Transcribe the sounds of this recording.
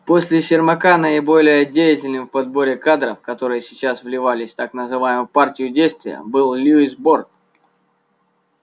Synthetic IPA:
po̞sʲlʲɪsʲɪrmɐkanəɪbo̞lʲɪjədʲejɪtʲɪlʲnɨfpɐd̪̚bo̞ɾʲɪkad̪ɾəfkɐt̪o̞ɾɨjəsʲɪt͡ɕasvlʲɪvalʲɪsʲt̪aknəzɨvajɪmʊpartʲɪjʊdʲejst̪vʲɪjə̰bɨlˠlʲuisbort̪

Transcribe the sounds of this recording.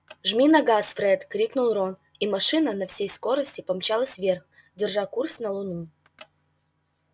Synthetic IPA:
ʐmʲinɐɡasfɾɛt̪kɾʲiknʊlˠron | imɐʂɨnənɐfsʲejsko̞ɾəsʲtʲɪpɐmt͡ɕalˠəsʲvʲerx | dʲɪrʐakursnɐlˠʊnu

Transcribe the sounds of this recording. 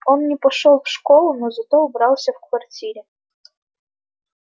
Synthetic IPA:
onːʲɪpɐʂolˠfʂkolˠʊnozɐt̪oubɾɑlˠsʲəfkvɐrtʲiɾʲɪ

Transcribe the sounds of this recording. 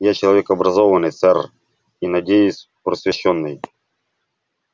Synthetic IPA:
jat͡ɕɪlˠɐvʲekɐbɾɐzɔvɐnɨjt̪sɛr | inɐdʲejʊsʲ | pɾəsʲvʲɪɕːɔnːɨj

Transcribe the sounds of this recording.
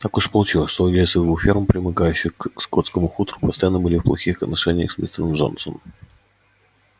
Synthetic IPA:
t̪akʊʂpəlˠʊt͡ɕilˠəsʲʂt̪olɐdʲejɪsəd̪vuxfʲirmpɾʲɪmɨɡajʉɕːɪxkskot̪skəmʊxut̪ɾʊ̥pəst̪ɐjanːəbɨlʲɪfplˠɐxʲixɐt̪nɐʂɛnʲɪjə̰xsvʲḭst̪ʲɪnəmʐo̰nt̪so̰n

